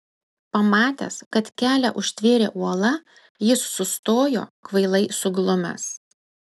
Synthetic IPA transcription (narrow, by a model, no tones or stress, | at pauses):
pɐmɑːt̪ʲɛ̰skɐt̪kʲæːlʲɛ̰ʔʊʃʲt̪ʲʋʲeːɾʲḛːʔuɔlˠɐ | jɪsːʊst̪oːjo̰ːkʋɐɪlˠɐɪsʊɡlˠʊmʲɛ̰s